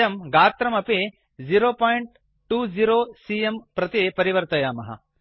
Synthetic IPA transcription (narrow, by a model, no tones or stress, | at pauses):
ɐmɡaːt̪ɾɐmɐpe | d͡ʒiɾoːpaːjiɳʈ | ʈuːd͡ʒiɾoːsiempɾɐt̪ipɐɾiʋɐɾt̪ɐjaːmɐɦɐ̰